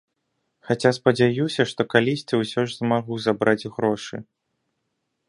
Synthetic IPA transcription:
xat͡sʲaspɐd͡zʲajusʲɐʂt̪ɔkalʲisʲt͡sʲiwsʲɔʐzmaɣuzabɾad͡zʲɣɾɔʂɨ̰

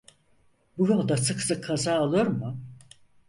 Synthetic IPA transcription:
bujolˠd̪asɯksɯkʰːazaːolˠɯjoɾmʊ

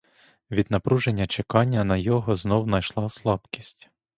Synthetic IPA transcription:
ʋʲid̪nɐpɾuʒenʲːɐt͡ʃekɑnʲːɐnɐjɔɦɔznɔwnɐjʃlˠɑslˠɑbkʲi̥sʲtʲ

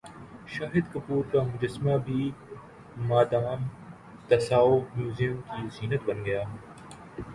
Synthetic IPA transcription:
ʃaːɦɪd̪kɐpuːɾt̪amʊd͡ʒəsmaːbʱiː | maːd̪aːm | t̪ɐsaːomjuːzijʊmkiːziːnət̪bɐnɡəjaː

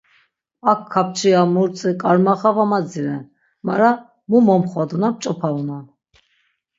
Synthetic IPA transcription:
akʰːap̚ʰt͡ʃʰiamuɾt͡sʼikʼaɾmaχavamad͡ziɾɛn | maɾa | mumɔmχwad̪unap̚t͡ʃʼɔpʰauna

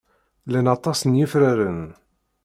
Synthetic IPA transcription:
lænɑt̪ˤɑsənjifɾaɾən

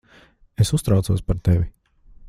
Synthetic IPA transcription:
esust̪ɾawt̪suɔspaɾt̪ɛvʲi

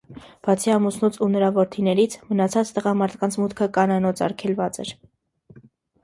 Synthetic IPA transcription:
b̥ɑt͡sʰiɑmusnut͡sʰunəɾɑvɔɾt̪ʰinɛɾit͡sʰmənɑt͡sʰɑt͡st̪əʁɑmɑɾt̪ʰkɑnt͡sʰmut̪kʰəkɑnɑnɔt͡sʰɑ̰ɾkʰɛlvɑt͡sɛ̰ɾ

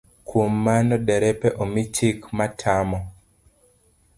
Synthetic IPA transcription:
kwomːanɔdɛɾɛpɛʔomit͡ʃikmatʰamɔ

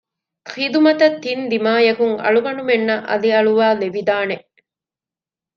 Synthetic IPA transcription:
xid̪umɐt̪ɐt̪ːind̪imaːjɐkuŋɐ̰ɭuʋɐnumenːɐʔɐ̰liɐɭuʋaːleʋid̪aːne

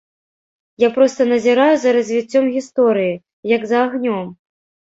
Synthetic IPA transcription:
japɾɔst̪ɐnɐzʲiɾajuzɐɾɐzʲvʲit͡sʲːɔmɣʲist̪ɔɾɨji | jɐɡzɐːɣnʲɔm

